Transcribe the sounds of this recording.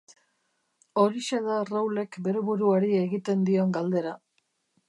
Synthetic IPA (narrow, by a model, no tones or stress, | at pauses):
o̞ɾise̞ðarawle̞kbe̞ɾe̞βuɾuaɾie̞ɣit̪e̞nd̪io̞ŋɡald̪e̞ɾa